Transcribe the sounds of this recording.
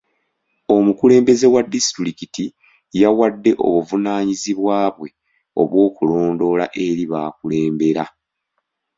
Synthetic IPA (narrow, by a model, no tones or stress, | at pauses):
o̞mukule̞ːmbe̞ze̞wadːistɾikiti | jawadːe̞ʔo̞̰βuvunaːɲiziβwaːβwe̞ | o̞̰βwo̞ːkulo̞ːndo̞la̰ʔe̞ɾiβaːkule̞ːmbe̞ɾa